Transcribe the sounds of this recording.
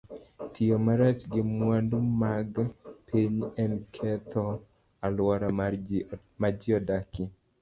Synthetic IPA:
tʰijomaɾat͡ʃɡɪmwandumaɡpʰiɲɛnkʰɛt̪ʰɔ | alwaɾa | mad͡ʒiɔdakɪ

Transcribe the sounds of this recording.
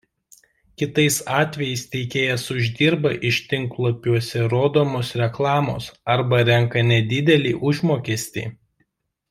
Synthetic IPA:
kʲɪt̪ɐɪsɑːt̪ʲʋʲɛjɛɪst̪ʲɛɪkʲeːjɛsʊʒʲd̪ʲiːɾbɐʔɪʃt̪ʲɪŋklˠoːpʲuɔsʲɛɾoːd̪oːmoːsɾʲɛklˠɑːmo̰ːsɐɾbɐɾʲɛŋkɐnʲɛd̪ʲɪd̪ʲɛlʲḭːʔʊʒmoːkʲiɛsʲt̪ʲḭː

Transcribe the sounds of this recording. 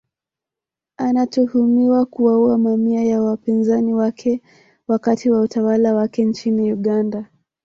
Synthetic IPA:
anatuhumiwakuwauamamiajawapinzaniwakʰɛ | wakatiwautawalawakɛnt͡ʃiniuɠanda

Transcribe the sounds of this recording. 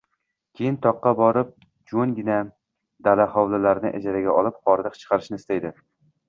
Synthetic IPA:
kʲʰejɪnt̪ʰɒqːɑbɒɾɪp̚ | d͡ʒoŋɡʲɪna | d̪alahɒwlalaɾnɪʔa̰d͡ʒaɾaɡʲaɒlˠɪpχɒɾd̪ɨqt͡ʃʰɨ̥qʰɑɾɪʃnɪst̪ajd̪ɪ

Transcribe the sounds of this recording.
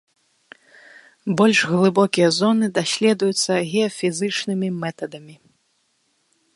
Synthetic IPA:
bɔlʲʂɣlˠɨbɔkʲijɐzɔnɨd̪asʲlʲɛd̪ujut̪sːɐɣʲɛɔfʲizɨt͡ʂnɨmʲimɛt̪ɐd̪ɐmʲi

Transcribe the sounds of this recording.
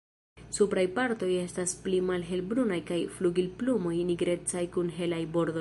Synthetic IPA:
supɾajpaɾto̞je̞stasplimalɦe̞lbɾunajkajfluɡilplumo̞jniɡɾe̞t͡sajkunɦe̞lajbo̞ɾd̪o

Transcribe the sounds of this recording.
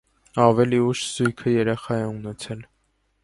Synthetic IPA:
ɑvɛliuʃz̥ujkʰəjɛɾɛχɑjɛunɛt͡sʰɛl

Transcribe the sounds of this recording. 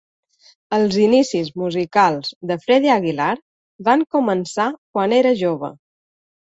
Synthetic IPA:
əlˠzinisizmuzikalˠzðəfɾɛðiaɣ̞ilaɾ | baŋkumənsakwaneɾəʒoβ̞ə̰

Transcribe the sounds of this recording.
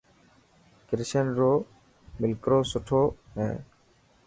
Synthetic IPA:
kɪɾʃənɾoː | mɪlkɾoːsʊʈʰoːɦɛ̰̃ː

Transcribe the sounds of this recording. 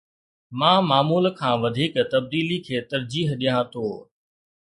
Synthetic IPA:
mãːmaːmuːlkʰãːʋɐd̪ʱiːkt̪ɐb̚d̪iːlikʰeːt̪ɐɾd͡ʑiːɦɗijãt̪ʰoː

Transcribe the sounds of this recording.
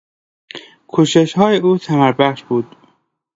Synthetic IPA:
kʰoʃeʃhɒːjeuːsʰæmæɾbæχʃb̥uːd̪̥

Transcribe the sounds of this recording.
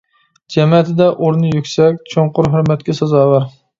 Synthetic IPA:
d͡ʒɛmɛt̪ʰɪd̪ɛʔoɾnɨjykʲsɛkʲt͡ʃʰoŋqʊɾɦøɾmɛt̪kʲɛsɑzɑːwɑɾ

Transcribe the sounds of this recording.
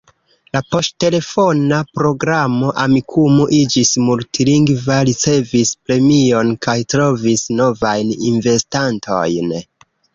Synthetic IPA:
lapo̞stte̞le̞fo̞napɾo̞ɡɾamo̞ʔamikʰumoʔid͡ʒismultiliŋɡvaɾit͡se̞vispɾe̞mio̞nkajtɾo̞visno̞vajnḭnve̞stantʰo̞̰jn

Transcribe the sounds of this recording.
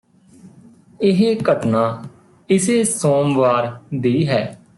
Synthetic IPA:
ɪɦeːkəʈnãː | ɪseːsoːmʋaːɾd̪iːɦɛː

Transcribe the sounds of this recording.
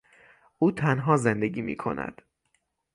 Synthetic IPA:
ʔuːt̪ʰænɦɒːzend̪e̞ɡiːmḭːkʰo̞̰næ̰d̪̥

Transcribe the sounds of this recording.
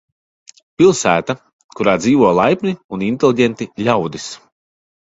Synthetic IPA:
pilˠsæːt̪a | kuɾaːd̪ziːvɔlˠajpʲniunint̪elˠiɟɛnt̪iʎʲawd̪is

